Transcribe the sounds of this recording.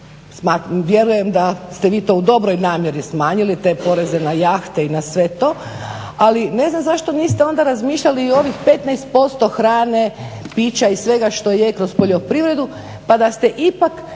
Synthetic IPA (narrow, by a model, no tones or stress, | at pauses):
smaːt̪mʋje̞ɾuje̞md̪ast̪eʋiːt̪o̞ud̪o̞bɾo̞jnaːmje̞ɾismaːɲilit̪e̞ːpo̞ɾe̞zenajaːxt̪einasʋe̞t̪o̞ː | aline̞znamzaʃt̪o̞niːst̪eo̞nd̪aɾazmiːʃʎaliːo̞ʋixpe̞t̪najst̪̚po̞st̪o̞xɾaːne̞piːt͡ɕaisʋe̞ɡaʃt̪o̞jekɾo̞spo̞ʎo̞pɾiʋɾe̞d̪u | pad̪ast̪e̞ʔipak